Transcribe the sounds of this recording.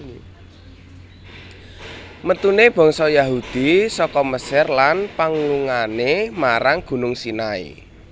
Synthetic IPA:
mət̪uneb̥ɔ̤ŋsɔjaɦud̪̥isɔkɔməsɪrlanpaŋuluŋanemaɾaŋɡ̥ṳnʊŋsinaḭ

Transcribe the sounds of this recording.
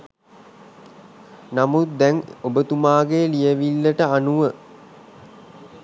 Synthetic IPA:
namut̪̚d̪ɛŋobət̪umaːɡeːlijəʋilːəʈəanuʋə

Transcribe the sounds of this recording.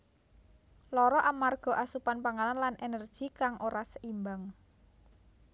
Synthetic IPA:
lɔɾɔʔamarɡ̥ɔ̤ʔasupanpaŋalanlanʔenərd̥ʒ̥i̤kaŋʔoɾasəʔimbaŋ

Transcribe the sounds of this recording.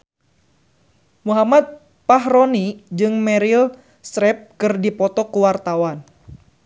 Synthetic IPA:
muɦamat̪̚ | paɦɾɔnid͡ʒɨŋmɛɾil | sɾɛp̚kɨrdipɔt̪ɔkuwart̪awan

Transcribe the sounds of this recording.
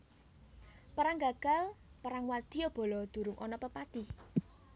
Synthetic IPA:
paɾaŋɡaɡ̥a̤lpaɾaŋwad̪̥ijob̥o̤lɔd̪̥ṳɾʊŋʔɔnɔpəpat̪i

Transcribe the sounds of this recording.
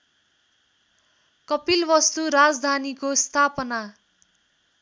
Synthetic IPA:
kʌpilbʌst̪uɾad͡zd̪ʱanikost̪ʰapʌna

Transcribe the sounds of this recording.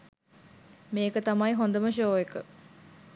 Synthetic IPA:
meːkət̪amɐjɦond̪əməʃ̬oːekə

